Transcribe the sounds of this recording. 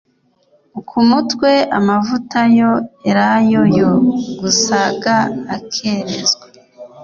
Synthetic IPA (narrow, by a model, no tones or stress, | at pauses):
ukʰumutwe̞ʔa̰mavutajoeɾajojoɡusaɡaːkʰe̞ɾezɡwa